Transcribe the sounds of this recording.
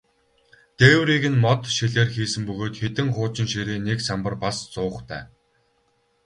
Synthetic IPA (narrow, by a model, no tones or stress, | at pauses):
t̪ewɾiɣɘ̆nmɔt̪ʃiɮeːrxiːsɘ̆mpɵɣoːt̪xet̪ɘ̆ŋχʊːt͡ɕɪ̆nʃeɾeːneksampə̆rpast͡sʊːχt̪ʰæ̰ː